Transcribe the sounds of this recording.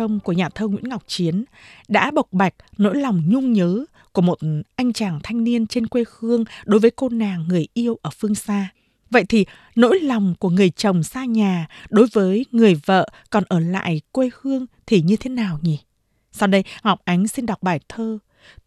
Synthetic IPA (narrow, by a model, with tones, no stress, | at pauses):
ə˧mku˧˩əɲaː˨˩t̪ʰəː˧ŋwḭ˧˥ənŋa˨˩wk͡p̚t͡ɕi˨˦ənɗa̰ː˧˥ɓə˨˩k͡p̚ɓa˨˩jk̟̚no̰˧˥jlɔ˨˩wŋ͡mɲʊ˧ŋ͡mɲəː˨˦ | ku˧˩əmo˨˩t̚ʔa˧jŋ̟t͡ɕaː˨˩ŋt̪ʰa˧jŋ̟ni˧ənt͡ɕe˧nkwe˧hɨ˧əŋɗo˨˦jvəː˨˦jko˧naː˨˩ŋːɨ˨˩əjʔi˧əwʔəː˧˩fɨ˧əŋsaː˧ | və̰˧˨jt̪ʰi˨˩ | no̰˧˥jlɔ˨˩wŋ͡mku˧˩əŋɨ˨˩əjt͡ɕə˨˩wŋ͡msaː˧ɲaː˨˩ɗo˨˦jvəː˨˦jŋɨ˨˩əjvə̰ː˧˨kɔ˨˩nʔəː˧˩la̰ː˧˨jkwe˧hɨ˧əŋt̪ʰi˨˩ɲɨ˧t̪ʰe˨˦naː˨˩wɲi˨˩ | sa˧wɗə˧jha˨˩wk͡p̚ʔa˨˦ŋ̟si˧nɗa˨˩wk͡p̚ɓaː˧˩jt̪ʰəː˧